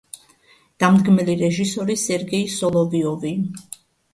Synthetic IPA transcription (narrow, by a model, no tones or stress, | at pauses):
d̪̥amd̪ɡmɛliɾɛʒisɔɾisɛɾɡɛisɔlˠɔviɔvi